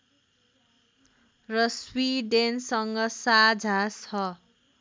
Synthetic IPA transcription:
rʌswiɖensʌŋɡʌsad͡zʱasʰʌ

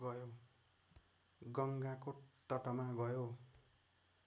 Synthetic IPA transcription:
ɡʌjo | ɡʌŋɡakot̪ʌʈʌmaɡʌjo

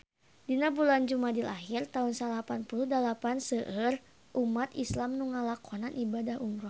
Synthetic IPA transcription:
dinabuland͡ʒumadilaɦirt̪aunsalapanpuluhdalapansəʔər | ʔumat̪islamnuŋalakʰɔnanʔibadahumɾuh

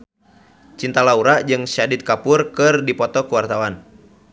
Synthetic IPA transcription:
t͡ʃint̪alauɾaʔd͡ʒɨŋʃadit̪̚kapʊrkɨrdipɔt̪ɔkuwart̪awan

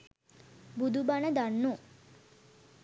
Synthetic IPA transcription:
bud̪ubanəd̪anːu

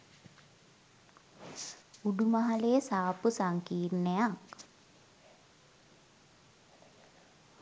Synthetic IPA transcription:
uɖumaɦalesaːpusaŋkiːɾnejak

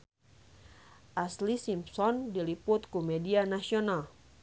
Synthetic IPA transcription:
ʔaslisimpsɔndilipʊt̪̚kumɛdianasiɔnal

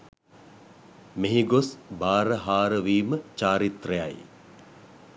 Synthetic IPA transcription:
meɦiɡosbaːɾəɦaːɾəʋiːmət͡ʃaːɾit̪rəja̰j

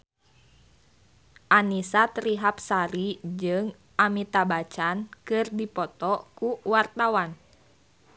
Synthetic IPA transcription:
ʔanisat̪ɾiɦap̚saɾid͡ʒɨŋ | ʔamit̪abat͡ʃankɨrdipɔt̪ɔkuwart̪awan

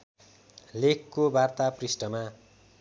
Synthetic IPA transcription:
lekːobart̪aprisʈʌma

